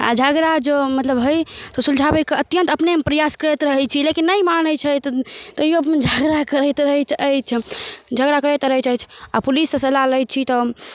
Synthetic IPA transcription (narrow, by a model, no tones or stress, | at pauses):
a̰d͡ʒʱaɡɾad͡ʒomət̪ləbɦəjt̪ɔsuld͡ʒʱabəkeət̪jənt̪əpnemepɾəjaskəɾet̪ɾəɦɛt͡ʃʰilekinːəjmanəjt͡ʃʰət̪t̪ɔjiəpmed͡ʒʱaɡɾakəɾəjt̪ɾəɦɛt͡ʃʰəjt͡ʃʰd͡ʒʱəɡɾakəɾət̪ɾəɦɛt͡ʃajt͡ʃʰapulisːəsəlaləj̚t͡ʃʰit̪ɔ